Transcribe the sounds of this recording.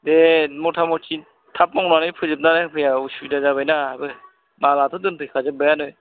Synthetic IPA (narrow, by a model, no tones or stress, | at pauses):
demɔtʰamɔtʰin | tʰap̚mɔŋnanɯjpʰɯzɯp̚naɾaŋpʰɯjausubidazaβajnabɯ | balatʰɯdɯnpʰɯjkʰazɯbajanɯj